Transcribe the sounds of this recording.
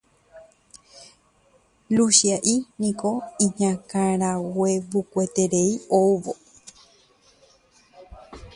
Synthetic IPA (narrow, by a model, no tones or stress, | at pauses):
luʃiaʔinĩko̞ĩɲãkãɾ̃ãwe̞βukʷe̞t̪e̞ɾe̞iouʋo